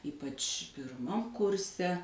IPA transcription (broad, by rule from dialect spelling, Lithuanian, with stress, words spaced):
ˈiːpɐt͡ʃ pʲɪrˈmɐm ˈkʊrʲsʲɛ